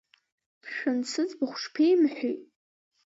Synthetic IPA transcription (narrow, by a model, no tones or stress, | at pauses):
ʃᶣansɨt͡sbɨχʷʂpʰejmħʷᶣitʼ